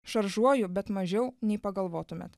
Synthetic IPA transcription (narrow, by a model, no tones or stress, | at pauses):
ʃɐɾʒuɔjʊbʲɛt̪mɐʒʲɛʊnʲɛɪpɐɡɐlˠʋoːt̪ʊmʲḛt̪